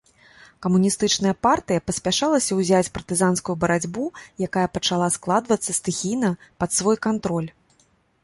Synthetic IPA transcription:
kɐmunʲist̪ɨt͡ʂnɐjɐpart̪ɨjɐpɐsʲpʲaʂalˠɐsʲɐwzʲat͡sʲpɐrt̪ɨzanskujubɐɾad͡zʲbujakajɐpɐt͡ʂalˠasklˠad̪vɐt̪sːɐst̪ɨxʲijnɐpɐt̪svɔjkant̪ɾɔlʲ

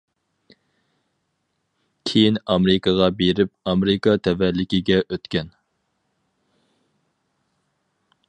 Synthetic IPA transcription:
kʲʰejinɑmɪɾɪkɑʁɑbeɾɪp̚ɑmeɾɪkɑt̪ʰɛvɛlːɪkʲɪɡʲɛʔøt̪kʲɛn

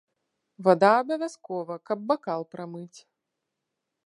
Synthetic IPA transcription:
vad̪aːbɐvʲaskɔvɐkɐb̚ːakalˠpɾamɨt͡sʲ

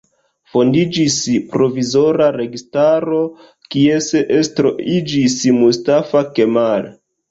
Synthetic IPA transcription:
fo̞ndid͡ʒispɾo̞vizo̞ɾaɾe̞ɡistaɾo̞ | kieseʔestɾoʔid͡ʒismustafake̞mal

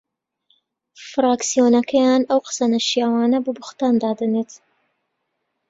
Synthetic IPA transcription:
fɾaːksijoːnɐkʰɐjaːnɐwqə̥sɐnɐʃijaːwaːnɐbubʊxt̪aːnd̪aːd̪ɐneːt̪

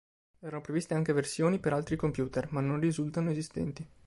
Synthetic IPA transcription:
ɛːɾanopɾevist̪eaŋk̟eversjoːnipeɾalt̪ɾikompjuːt̪ermanːonrizult̪anoezist̪ɛ̰nt̪i

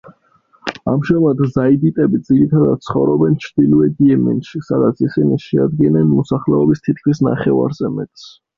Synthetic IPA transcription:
a̰mʒɛmat̪ʰzaid̪it̪ʼɛbid̪ziɾit̪ʰad̪ad̪̥̚t̪sʰχɔvɾɔbɛnt͡ʃʰɾd̪iluɛd̪iɛmɛ̰nʃisad̪at̪sʰisiniʃɛa̰d̪̚ɡɛnɛnmɔsaχlɛɔbist̪ʰit̪̚kʰwisna̰χɛva̰ɾzɛmɛt̪ʼs

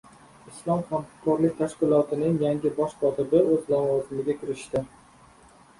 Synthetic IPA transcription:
ɪslˠɒmχamhkʰɒɾlɪk̚ʲt̪ʰaʃkʲɪlˠɒt̪ʰɪnɪŋjaŋɡʲɪbɒʃq̪ʰɒt̪ʰɪbɪɵzlavɒzɪmɪɡʲakʲʰɪɾɪʃt̪ɪ

